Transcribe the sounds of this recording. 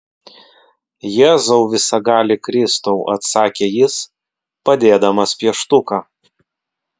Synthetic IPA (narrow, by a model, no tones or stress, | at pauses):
jeːzɐʊʋʲɪsɐɡɑːlʲɪkɾʲɪst̪ɐʊʔɐt̪sɑːkʲeːjɪs | pɐd̪ʲeːd̪ɐmɐspʲiɛʃt̪ʊkɑː